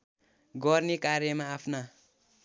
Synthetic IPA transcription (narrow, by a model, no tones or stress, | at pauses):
ɡʌrnekaɾjʌmaːpʰna